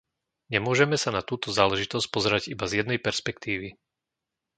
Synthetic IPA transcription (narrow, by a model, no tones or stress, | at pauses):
ɲɛmʊɔʒɛmɛsanat̪uːt̪ɔzaːlɛʒit̪ɔsc̚pɔzɛɾaɟibazjɛd̪nɛjpɛɾspɛkt̪iːʋi